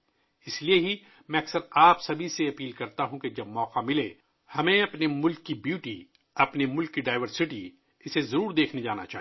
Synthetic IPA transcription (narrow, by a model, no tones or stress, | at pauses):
ɪslieɦi | mɛ̃ːɐksəɾaːpsɐbʱiseɐpiːlkɐɾt̪aɦũked͡ʒɐbmɔːqamɪlḛ | hɐmẽɐpnemʊlkːibjuːʈi | ɐpnemʊlkːiɖaːɪʋəɾsɪʈi | ɪsezɐɾuːɾd̪eːkʰned͡ʒaːna̰t͡ʃa̰ːɦ